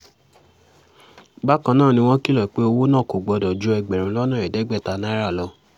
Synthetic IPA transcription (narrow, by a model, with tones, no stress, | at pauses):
ba˦kã˧nãː˦˨nĩ˧w̃ɔ̃˦ki˦lɔ˨k͡pe˦o˧wo˦nã˦˨ko˨ɡ͡bɔ˧dɔ˨d͡ʒu˦ɛ˧ɡ͡bɛ˨ɾ̃ũ˨˦lɔ˦nãː˦˨ɛ˨dɛ˨˦ɡ͡bɛ˦˨ta˧nã˦ɾa˦˨lɔ˧